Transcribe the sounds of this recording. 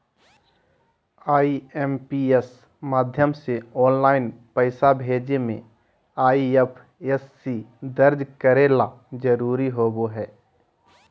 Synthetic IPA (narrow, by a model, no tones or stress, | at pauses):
aːieːmpies | maːd̪ʱjəmseɔːnlaːɪnpəɪsabʱeːd͡ʒemḛ̃ | aːiepʰ | esːid̪əɾd͡ʒkəɾela | d͡ʒəɾuːɾiɦoːboɦɛː